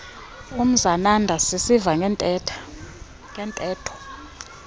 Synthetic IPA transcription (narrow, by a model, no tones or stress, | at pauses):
um̩zanandʱasisiva | ŋɛntʼɛːtʰɔ̥